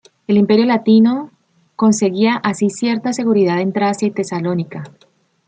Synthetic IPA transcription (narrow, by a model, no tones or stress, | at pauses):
e̞limpe̞ɾjo̞lat̪ino̞ | ko̞nse̞ɣiaʔasisje̞ɾt̪ase̞ɣuɾið̞aðe̞nt̪ɾasjait̪e̞salo̞nika